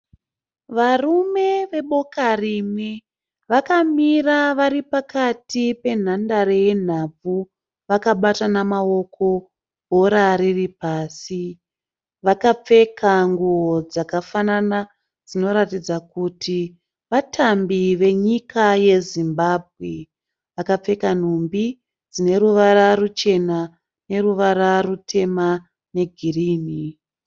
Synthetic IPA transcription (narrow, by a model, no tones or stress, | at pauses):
ʋarume̞ʋe̞ɓo̞karimwe | ʋakamiraʋaɾipakatipe̞n̤andaɾeje̞n̤ab͡vu | ʋakaɓatanamao̞kʰo̞ | ɦo̞ɾaɾiripaːsi | ʋakap͡fe̞kʰaŋɡuwod͡zakafanana | d͡zino̞ɾatid͡zakutʰi | ʋatʰambiʋe̞ɲikaje̞zimbaːb̚ʱɣe | ʋakap͡fe̞kan̤umbi | d͡zine̞ɾuʋaɾarut͡ʃe̞na | ne̞ɾuʋaɾarutʰe̞ma | ne̞ɡʱiriːni